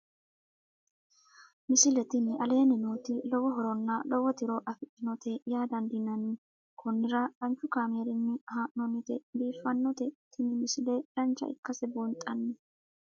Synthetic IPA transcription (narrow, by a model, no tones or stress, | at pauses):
mɪsɪlɛt̪ɪnɪɐle̞ːnɪnuːt̪ɪlɔwɔɦɔɾɔnːɐlɔwɔt̪ɪɾoʔɐfɪt̪ːɪnɔt̪ɛjaːd̪ɐnd̪ɪnɐnːɪ | kʰʊnːɪɾɐᶑɐnt͡ʃːʊkaːmeːɾɪnːɪhaːʔnɔnːɪt̪ɛbiːfːɐnːɔt̪ɛt̪ʰɪnɪmɪsɪlɛɾɐnt͡ʃːɐ̰ɪ̰kːɐsɛbunt̪ʼːɐnːɛ